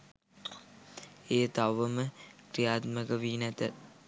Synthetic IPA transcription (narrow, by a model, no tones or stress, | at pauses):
eːt̪aʋːəməkɾijaːt̪məkəʋiːnæt̪ə